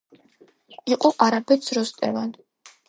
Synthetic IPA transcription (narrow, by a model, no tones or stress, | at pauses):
iqʼɔʔaɾapʰɛt̪sʰɾɔst̪ʼɛ̰van